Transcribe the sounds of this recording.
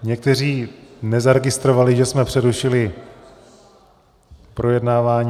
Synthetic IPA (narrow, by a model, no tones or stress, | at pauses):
ɲɛk̚t̪ɛr̝iːnɛzaɾɛɡɪst̪ɾovalɪʒɛsmɛpr̥ɛɾuʃɪlɪ | pɾʔo̞jɛdnaːvaːɲ